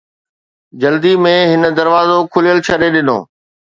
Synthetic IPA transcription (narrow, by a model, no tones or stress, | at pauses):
d͡ʑɐld̪imẽɦɪnə̆d̪ɐɾʋaːzokʰʊlijəlt͡ɕʰɐɾeɗɪno̰ː